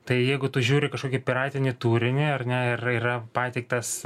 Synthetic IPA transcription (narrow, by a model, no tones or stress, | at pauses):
t̪ɐɪjɛɪɡʊt̪ʊʒʲuːɾʲɪkɐʃkoːkʲɪpʲɪɾɑːt̪ʲɪnʲɪt̪uːɾʲɪnʲɪɐrnʲɛɪriːrɐpɑːt̪ʲɛɪk̚t̪ɐs